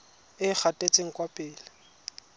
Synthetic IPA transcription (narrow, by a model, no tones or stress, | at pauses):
ɪk͡xʰatʼet͡sʼeŋ̩kʼwapʼɪːlɪ